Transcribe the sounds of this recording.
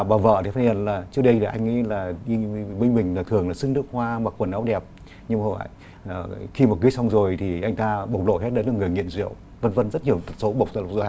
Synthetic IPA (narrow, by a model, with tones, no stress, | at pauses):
ɓaː˨˩wvə̰ː˧˨t̪ʰi˨˩fʰaː˨˧˦ə˨˧˩nlaː˨˩t͡ɕɨ˦˥ək̚ɗə˧jʰi˨˩ʔa˧jŋŋḭ˧˦laː˨˩i˧məi˧ŋ̟mï˨˩ŋ̟laː˨˩t̪ʰɨ˨˩əŋlaː˨˩sɨ˧˦ŋɗɨ˦˥ək̚hwaː˧ma˨˩kwə˨˩nʔa˨˦wɗɛ˨˩p̚ | ɲɨ˧ŋ͡mo˧˨a̰ː˧˨˩jː | xi˧m̚˨˩kɨ˨˦jsa˧wŋ͡mzo˨˩jt̪ʰi˨˩ʔa˧jŋ̟t̪aː˧ɓə˨˩wk͡p̚lo̰˧˨hɛ˦˥t̚ɗe˨˦nɗɨ˨˩kŋɨ˨˩əjŋḭ˧˨ənzḭ˧˨əw | və˧nvə˧nzə˦˥t̚ɲi˨˩əwt̪ʰə˨˩t̚so˨˦ɓə˨˩wk͡p̚za˧l̚zo˧˩a˧